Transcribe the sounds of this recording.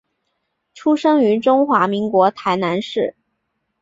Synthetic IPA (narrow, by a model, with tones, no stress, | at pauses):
ʈ͡ʂʰu˥ʂɤ˥ŋy˧˥ʈ͡ʂʊ˥ŋxwa˧˥mi˧˥ŋkwɔ˧˥t̪ʰa˧˥ɪna˧˥nʂɻ̩˥˩